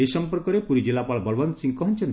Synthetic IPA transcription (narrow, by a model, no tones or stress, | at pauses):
esɔmpɔɾkɔɾepuɾid͡ʒilːapaɭbɔlbɔnt̪sĩŋɡkɔɦɔnt͡ʃʰɔn